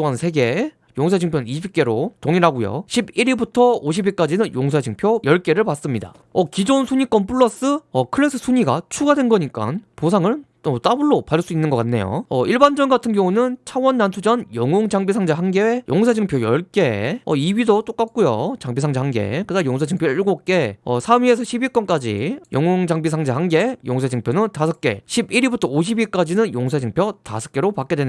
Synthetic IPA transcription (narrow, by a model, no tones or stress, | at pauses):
oŋannsʰe̞ɡe̞ | joŋsʰad͡ʑʰiŋpʰjʌiɕbik͈e̞ɾotoŋiɾaɡujo̰ɕʰibiɾibutʰʌoɕ̬ʰibik͈ad͡ʑinɯnjoŋsʰad͡ʑɯŋpʰjojʌɭk͈e̞ɾɯɭpas͈ɯmɲida̰ | ʌkid͡ʑonsʰuɲik͈ʌnp͈ʰuɭːʌs͈ɯʌkʰɯɭes͈ʰɯsʰuɲiɡat͡ɕʰuɡadwenɡʌɲik͈a̰nposʰaŋɯn | ʌt͈abuɭːopas͈uinːɯnɡʌk͈anːe̞̰jo̰ʌʔiɭband͡ʑʌnɡatʰɯnɡjʌŋunɯnt͡ɕʰawʌnːansʰud͡ʑʌnjʌŋoŋd͡ʑaŋbisʰaŋd͡ʑaɦaŋɡewejoŋsʰad͡ʑɯŋpʰjojʌɭk͈e̞ʌiɥidot͈ok͈ak̚k͈ujo̰t͡ɕaŋbisʰaŋd͡ʑahanɡe̞̰kɯdajoŋsʰed͡ʑɯŋpʰjoiɭɡok͈e̞ʌsʰamɥie̞s̬ʰʌɕʰibik͈ʌnk͈ad͡ʑḭjʌŋoŋd͡ʑaŋbisʰaŋd͡ʑahanɡe̞joŋsʰed͡ʑɯŋpʰjonɯntasʰʌk͈e̞̰ɕʰibiɾibutʰʌoɕ̬ʰibik͈ad͡ʑinɯnjoŋsʰed͡ʑɯŋpʰjʌta̰sʰʌ̥k͈e̞ɾopak͈e̞dwen